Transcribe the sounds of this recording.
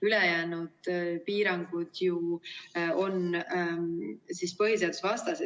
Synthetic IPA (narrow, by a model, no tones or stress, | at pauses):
ylejæːnud̪̥piːɾɑŋɡ̥ud̪̥ju | ʔo̞n | sispɤɦiseɑd̪̥usvɑst̪ɑse